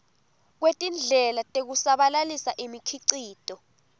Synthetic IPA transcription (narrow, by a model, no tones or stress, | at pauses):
k̬wetʼind͡ɮʱɛlatʼek̬usaɓalalisaʔimikʰiǀiːtʼɔ